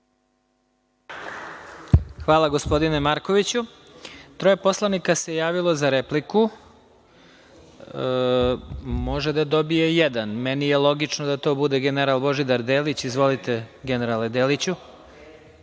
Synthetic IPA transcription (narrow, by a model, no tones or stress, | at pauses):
xʋaːlˠaɡo̞spo̞d̪inemaɾkoʋit͡ɕu | t̪ɾo̞jepo̞slˠanikase̞jaːʋilˠo̞zaɾepliku | mo̞ʒed̪ad̪o̞bije̞jɛd̪anmɛnijelˠo̞ɡit͡ʃnod̪at̪o̞ːbud̪e̞ɡeneɾalˠbo̞ʒid̪aɾd̪eːlit͡ɕizʋo̞lit̪e̞ɡeneɾaled̪eːlit͡ɕu